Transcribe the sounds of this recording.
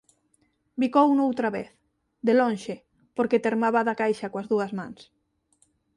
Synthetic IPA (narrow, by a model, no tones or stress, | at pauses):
bikowunowt̪ɾaβḛθ | d̪elõnʃe | poɾket̪eɾmaβaðakajʃakwazðuɐzmãŋs